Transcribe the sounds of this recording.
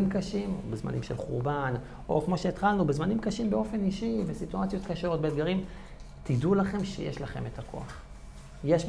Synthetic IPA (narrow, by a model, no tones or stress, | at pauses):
imkaʃimo̰bezma̰nḭmʃelχuʁban | ʔo̞̰kmo̞ʃe̞ːt̪χalnubezmanimkaʃimbeo̞fe̞niʃivesituat͡sjo̞tkaʃeo̞t̚beːd̪ɡaʁim | t̪idulaχe̞mʃḛjḛʃlaχe̞̰met̪akʰo̰aχ | jeʃ